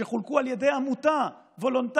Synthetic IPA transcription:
eχulkualjed̪e̞jamut̪a | vo̞lont̪a

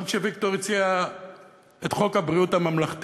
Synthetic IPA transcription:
ʃevik̚t̪oʁit͡sia | etχo̞khabʁiuthamamlaχt̪

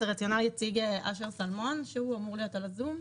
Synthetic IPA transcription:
ʁat͡sjo̞naljat͡siɡeʔaʃeʁsalmo̞nʃeuamuʁlijo̞talazum

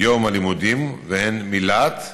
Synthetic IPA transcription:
jomalimud̪imvehenmilat̪

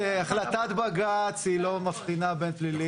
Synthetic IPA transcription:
eaχlat̪at̪baɡat͡shilo̞mafχinabenplili

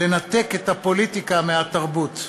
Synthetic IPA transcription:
e̞nat̪e̞ket̪apo̞lit̪ikameɦat̪aʁbut̪

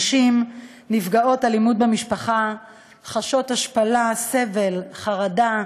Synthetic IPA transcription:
ʃim | nifɡao̞talimudbemiʃpaχa | χaʃo̞thaʃpalase̞ve̞lχaʁada

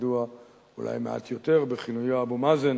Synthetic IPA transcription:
dua | ṵlʔa̰jmea̰t̪jo̞t̪e̞ʁbeχinujabomazen

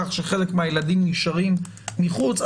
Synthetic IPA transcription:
aχʃeχe̞le̞kmeajeladimniʃaʁimː | iχut͡s

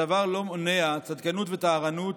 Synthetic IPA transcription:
avaʁlo̞moneat͡sad̪kanut̪vet̪aːʁanut̪

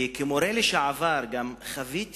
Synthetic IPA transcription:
kemoɾeleʃaʕavaɾɡamχavit̪

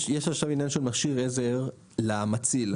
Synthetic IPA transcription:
jeʃaχʃavinjanʃelmaχʃiʁezeʁ | lamat͡sil

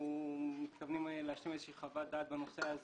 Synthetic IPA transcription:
mit̪kavnimleaʃlimezʃiːχavat̪̚d̪aːt̪̚benoseaz

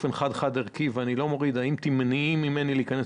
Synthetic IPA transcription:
fenχad̪χad̪eʁkivanilo̞moʁid̪aimt̪imniimːime̞nileikanes

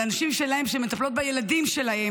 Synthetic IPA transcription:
anaʃimʃelahemʃemet̪aplo̞t̪̚bejeladimʃe̞lahe

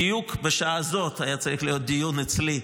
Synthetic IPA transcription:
ijukbeʃaazo̞t̪ajat͡saʁiχlijo̞t̪̚d̪ijunit͡sli

